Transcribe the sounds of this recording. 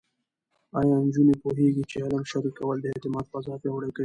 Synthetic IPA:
ɑjɑnd͡ʒunepoɦeɡit͡ʃehalamʃaɾikawəld̪əet̪ɪmɑd̪̚pazɑfjawɽakawi

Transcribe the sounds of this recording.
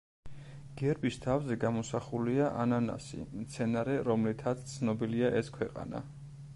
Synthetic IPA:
ɡ̥ɛɾbist̪ʰavzɛɡamɔsaχuliaʔanana̰sḭmt̪sʰɛnaɾɛɾɔmlit̪ʰat̪sʰt̪sʰnɔbiliaʔɛskʰwɛqʼa̰na̰

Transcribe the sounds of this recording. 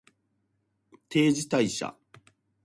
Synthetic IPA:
t̪ʰe̞ːd͡ʑit̪aiɕa̰

